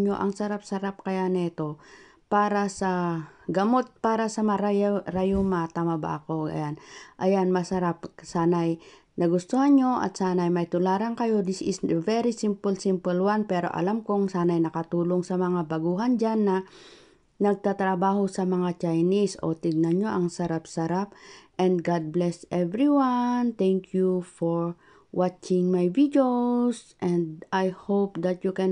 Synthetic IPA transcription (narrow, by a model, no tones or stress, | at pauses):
ɲo̰ʔɐŋsɐɾap̚sɐɾap̚kɐjanɛt̪o̞ | paːɾasɐɡɐmot̪̚paːɾasɐmɐɾajɾajomat̪amɐba̰ɐko̞ɡɐ̰janʔɐjanmɐsɐɾap̚saːnaj | nɐɡʊst̪uhanɲoʔɐ̰t̪̚saːnajmɐjt̪ʊlaːɾaŋkɐjo̞d̪ɪsɪsvɛɾisimpʊlsɪmpʊlwanpɛːɾo̞̰ʔɐ̰lamkoŋsaːnajnɐkɐt̪uːloŋsɐmɐŋabɐɡuːɦand͡ʒanːɐ | nɐɡ̚t̪at̪ɾɐbaːhosɐmɐŋat͡ʃajniso̰t̪ɪɡ̚nɐno̞ʔɐŋsɐɾap̚sɐɾap̚ʔɛnd̪ɡad̪̚blɛst̪ʔɛvɾiwant̪ɛŋkʰjufoɹ | wat͡ʃɪŋmajvid̪josʔɛnd̪ajhowp̚d̪ɐt̪̚jukɛn